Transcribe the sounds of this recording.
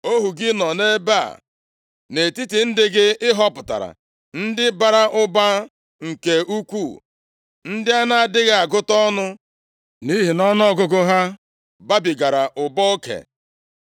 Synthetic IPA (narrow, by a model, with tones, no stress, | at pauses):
o˦ɦu˨ɡɪ˦nɔ˨ne˦ba̰˦˨ | ne˨ti˦ti˨n̩˦dɪ˦ɡɪ˦ɪ˦ɦɔ˦pʊ˨ta̰˨ɾa̰˨ | n̩˦dɪ˦ba˨ɾa˦ʔʊ˦ba˦ | ŋ̩˨ke˨u˦kʷu˦˨ | n̩˦dɪ˦a˦na˦a˦˨dɪ˦ɣa˨a˨ɡʊ˦tɔ˦nʊ˦ | ni˦ɦi˨nɔ˦n˦ɔ˦ɡʊ˦ɡʊ˦ɦa˦ | ba˦bi˨ɡa˨ɾa˨ʔʊ˨bɔ˦o˦kḛ˨